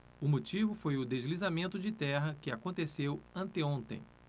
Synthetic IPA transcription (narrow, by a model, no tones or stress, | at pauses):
ʊmot͡ʃivʊfojʊd̪ezlizamẽnt̪ʊd͡ʒɪt̪ɛɦɐkɪakõnt̪esewɐ̃nt̪eõnt̪ḛ̃j̃